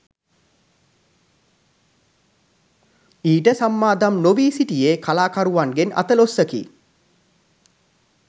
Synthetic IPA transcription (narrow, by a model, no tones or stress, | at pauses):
iːʈəsamːaːd̪amnoʋiːsiʈijeːkʰalaːkaɾuʋaŋɡenʔa̰t̪əlosːəkḭ